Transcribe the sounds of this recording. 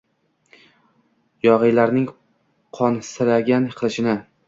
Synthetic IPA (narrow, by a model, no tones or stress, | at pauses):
jɒʁɨjlaɾnɪŋ | qʰɒnsɪɾaɡʲanqʰɨlˠɪʃɪnɪ